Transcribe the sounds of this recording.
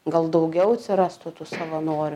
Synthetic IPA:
ɡɐlˠd̪ɐʊɡʲɛʊɐt̪ʲsʲɪɾɑst̪ʊt̪uːsɐʋɐnoːɾʲʊ

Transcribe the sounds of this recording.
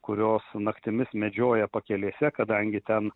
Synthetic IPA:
kʊɾʲoːsnɐkt̪ʲɪmʲɪsmʲɛd͡ʒʲoːjɛpɐkʲɛlʲeːsʲɛkɐd̪ɐŋʲɡʲɪt̪ʲɛn

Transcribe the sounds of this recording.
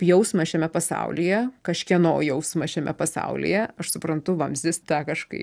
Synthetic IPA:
pjɛʊsmɐʃʲɛmʲɛpɐsɑ̰ʊlʲijɛkɐʃʲkʲiɛnoːjɛʊsmɐʃʲɛmʲɛpɐsɐ̰ʊlʲḭjɛɐʃsʊpɾɐnt̪ʊʋɐmʲzʲɪst̪ɑːkɐʃkɐ̰ɪ

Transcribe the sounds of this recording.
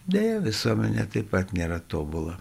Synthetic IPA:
d̪ʲɛjɛʋʲɪsuɔmʲɛnʲɛt̪ɐɪpɐt̪nʲeːɾɐt̪oːbʊlˠɐ

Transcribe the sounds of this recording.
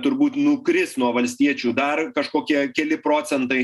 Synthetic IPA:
t̪ʊɾbuːt̪nʊkɾʲɪsnuɔʋɐlʲsʲt̪ʲiɛt͡ʃʲuːd̪ɐrkɐʃkoːkʲiɛkʲɛlʲɪpɾoːt͡s̪ʲɛnt̪ɐɪ

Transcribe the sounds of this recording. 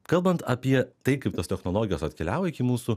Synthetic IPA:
kɐlˠbɐnt̪ɐpʲiɛt̪ɐɪkɐɪp̚t̪ɐst̪ʲɛxnoːlˠoːɡʲɪjoːsɐt̪ʲkʲɛlʲæːʋoɪkʲimuːsu

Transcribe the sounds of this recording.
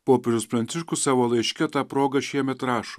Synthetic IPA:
poːpʲɛʒʲʊspɾɐnt̪sʲɪʃkʊsɑːʋoːlˠɐɪʃʲkʲɛt̪ɑːpɾoːɡɐʃʲiɛmʲɛt̪ɾɑːʃo̥ː

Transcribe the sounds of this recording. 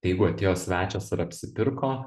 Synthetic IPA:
t̪ɐɪjɛɪɡʊɐt̪ʲeːjoːsʲʋʲæːt͡ʃʲoːsɪɾɐpʲsʲɪpʲɪɾkoː

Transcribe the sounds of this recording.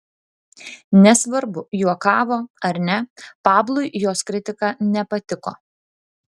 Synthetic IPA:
nʲɛsʋɐɾbʊjuɔkɑːʋoːɐɾnʲɛpɑːblˠʊɪjoːskɾʲɪt̪ʲɪkɑnʲɛpɐt̪ʲɪko̰ː

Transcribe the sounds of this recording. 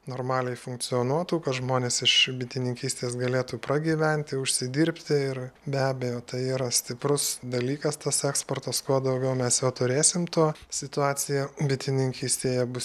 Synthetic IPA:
noːrmɑːlʲɛɪfʊŋk̚t͡ssʲɪoːnuɔt̪uːkɐt̪ʒmoːnʲeːsɪʃbʲɪt̪ʲɪnʲɪŋʲkʲiːsʲt̪ʲeːsɡɐlʲeːt̪uːpɾɐɡʲiːʋʲɛnʲt̪ʲɪʊʃʲsʲɪd̪ʲiːɾʲpʲt̪ʲɪɪrbʲæːbʲɛjoːt̪ɐɪiːɾɐsʲt̪ʲɪprʊsd̪ɐlʲiːkɐst̪ɐsɛːksport̪ɐskuɔd̪ɐʊɡʲɛʊmʲɛsjɛʊt̪ʊɾʲeːsʲɪmt̪uɔsʲɪt̪ʊɑːt͡s̪ʲɪjɛbʲɪt̪ʲɪnʲɪŋʲkʲiːsʲt̪ʲeːjɛbʊs

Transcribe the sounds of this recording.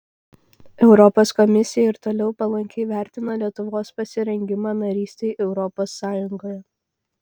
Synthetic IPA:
ɛʊɾɔpoːskɔmʲɪsʲɪjɛɪɾt̪oːlʲɛʊpɐlˠɐŋʲkʲɛɪʋʲæˑɾʲt̪ʲɪnɐlʲiɛt̪ʊʋoːspɐsʲɪɾʲɛŋʲɡʲɪmɑːnɐɾʲiːsʲt̪ʲɛɪʔɛʊɾɔpoːsːɑːjʊŋɡoːjɛ

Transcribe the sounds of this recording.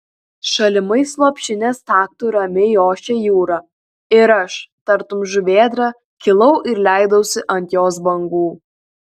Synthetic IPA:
ʃɐlʲɪmɐɪslˠoːpʲʃʲɪnʲeːst̪ɑːk̚t̪uɾɐmʲejoːʃʲejuːɾɑ | ɪɾɐʃt̪ɐɾt̪ʊmʒʊʋʲeːd̪ɾɑ | kʲɪlˠɐʊʔɪɾlʲæˑɪd̪ɐʊsʲɪʔɐnʲt̪ʲjoːs̬bɐŋɡuː

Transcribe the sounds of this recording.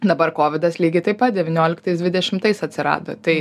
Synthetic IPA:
d̪ɐbɐrkoːʋʲɪd̪ɐslʲiːɡʲɪt̪ɐɪpɐt̪̚d̪ʲɛʋʲɪnʲoːlʲɪkt̪ɐɪsd̪ʲʋʲɪd̪ʲɛʃʲɪmt̪ɐɪsɐt̪ʲsʲɪɾɑ̰ːd̪o̰ːt̪ɐɪ

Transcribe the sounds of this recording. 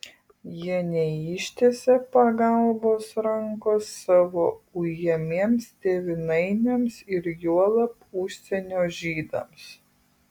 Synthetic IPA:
jiɛnʲɛiʃʲt̪ʲeːsʲɛpɐɡɐˑlˠboːsɾɐŋkoːsːɑːʋoːujɛmʲiɛmst̪ʲeʋʲɪnɐɪnʲɛmsɪɾjuɔlˠɐpʊʃʲsʲɛnʲoːʒʲiːd̪ɐ̰ms

